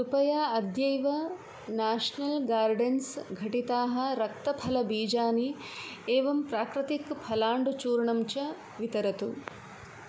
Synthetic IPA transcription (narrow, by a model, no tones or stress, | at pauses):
upɐjaːɐd̪jɐjʋɐ | naːʂɐnɐlɡaːɾɖensɡʱɐʈit̪aːɦɐ̆ɾɐk̚t̪ɐpʰɐlɐbiːd͡ʒaːni | eːʋɐmpɾaːkɾɐt̪ikpʰɐlaːɳɖut͡ʃuːɾɳɐmt͡ʃɐ | ʋit̪ɐɾɐt̪ṵ